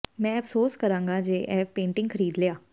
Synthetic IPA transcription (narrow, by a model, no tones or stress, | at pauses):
mɛ̃ːəpʰsoːskəɾãːŋɡaːd͡ʒeːʔɛːpẽːɳʈɪ̃ŋɡkʰəɾiːd̪leːaː